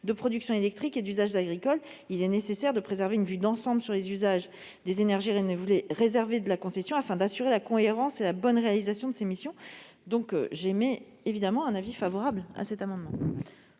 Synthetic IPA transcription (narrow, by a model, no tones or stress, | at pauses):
d̪əpχɔd̪yksjɔ̃elɛk̚t̪χiked̪yzaʒaɡʁikɔl | ilɛnesesɛʁd̪əpχezɛʁveynvyd̪ɑ̃sɑ̃bləsyʁlezyzaʒ | d̪ezenɛʁʒievuleʁezɛʁved̪əlakɔ̃sesjɔ̃afɛ̃d̪asyʁelakɔ̃eʁɑ̃selabɔnʁealizasjɔ̃d̪əsemisjɔ̃ | d̪ɔ̃kʒeme | evid̪amɑ̃ɛ̃navifavɔʁabla̰sɛt̪amɑ̃d̪mɑ̃